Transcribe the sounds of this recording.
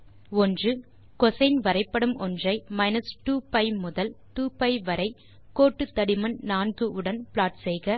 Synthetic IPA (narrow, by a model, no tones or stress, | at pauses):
ɔndrɯ | kɔsɐɪnʋɐɾɐɪpːɐɽɯmʔɔndrɐɪmɐɪnɐsʈuːpɐɪmʊðɐlt̪uːpɐɪʋɐɾɐɪ | koːʈːɯt̪ːɐɽɪmɐnnaːnɡɯʔɯɽɐnpɪɭaːʈsɛjɣɐ